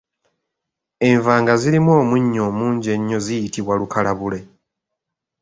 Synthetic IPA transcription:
e̞ɱvaːŋɡaziɾimwo̞ːmuɲːo̞ːmuːɲɟe̞ɲːo̞zijitiβwalukʰalaβule̞

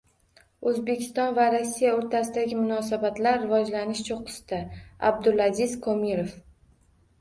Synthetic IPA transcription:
ɵzbe̞kʲʰɪ̥st̪ɒnvaɾosːijaoɾt̪ʰasɪd̪aɡʲɪmʊnɒs̬abat̪laɾːɪvɒd͡ʒlanɪʃt͡ʃʰoqɨ̥sɪd̪aa̰b̚d̪ʊlazɪzkʰomiɾof

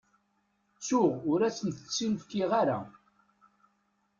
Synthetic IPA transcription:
t͡sːʊʁʊɾæt͡sːənt̪ə̥t͡sːinfkiʁaɾa̰

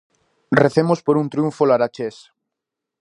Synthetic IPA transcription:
reθemospoɾunt̪ɾjuɱfolaɾat͡ʃes

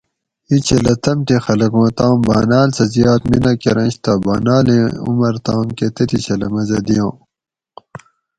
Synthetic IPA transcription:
it͡ɕʰelɐt̪ɐmʈexɐlɐkõːt̪ãːmbaːnaːlsɐzijaːt̪minɐkeɾʔɐ̃nɕt̪ɐba̰ːnaːlẽṵmɐɾt̪ãːmket̪ɐt̪iɕʰɐlɐmɐzɐd̪ijõː

